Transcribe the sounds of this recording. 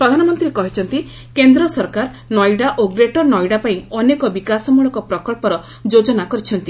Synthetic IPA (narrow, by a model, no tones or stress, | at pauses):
pɾɔd̪ʱanɔmɔnt̪ɾiɾekɔɦit͡ʃʰɔnt̪i | kend̪ɾɔsɔɾkaɾ | nɔjɖaʔoɡɾeʈɔnɔjɖapaĩɔnekɔbikasɔmuɭɔkɔpɾɔkɔɭpɔɾɔ | d͡ʒod͡ʒɔnakɔɾit͡ʃʰɔnt̪i